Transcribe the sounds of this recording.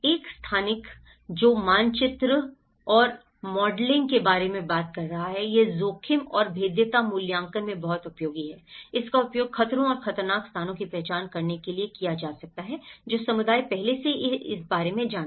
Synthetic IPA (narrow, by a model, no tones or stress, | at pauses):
eːkst̪ʰaːnɪk | d͡ʒoːmaːnt͡ʃɪt̪ɾə | ɔːɾ | mɔːɖlɪ̃ŋɡkebaːɾemẽbaːt̪̚kɐɾːɐɦaɦɛjezoːkʰɪmɔːɾbʱeːd̪jət̪amʊljãːŋkənmẽbɐɦʊt̪ʊpjoːɡiɦɛːɪskaʊpjoːɡxɐt̪ɾõɔːɾxɐt̪əɾnaːkst̪ʰaːnõkipɾɛːt͡ʃaːnkɐɾnekeliekijad͡ʒaːsɐk̚t̪aɦɛd͡ʒoːsɐmʊd̪aːipɛɦleseeɪsbaːɾemẽd͡ʒaːn